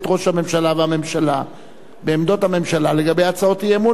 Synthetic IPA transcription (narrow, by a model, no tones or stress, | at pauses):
t̪ʁo̞ʃhame̞mʃalaveame̞mʃala | beːmd̪o̞thame̞mʃalale̞ɡabejat͡sao̞tijemu